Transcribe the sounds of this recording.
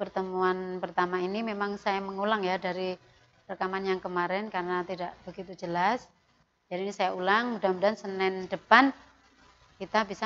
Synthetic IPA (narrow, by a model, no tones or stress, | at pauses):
pərt̪əmuanpərt̪amainimemaŋsajaməŋulaŋjadaɾi | rəkamanjaŋkəmaɾɛnkaɾənat̪idaʔbəɡit̪ud͡ʒəlas | d͡ʒadiːnisajaulaŋmudabədansənɛndəpan | kit̪abisa